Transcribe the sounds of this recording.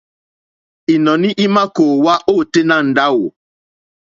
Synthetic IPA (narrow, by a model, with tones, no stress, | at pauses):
i˨nɔ̃˨nĩ˦ʔi˦ma˦koː˨wa˦ʔo˦˨te˦nã˦˨n̩˨da˦wo̰˨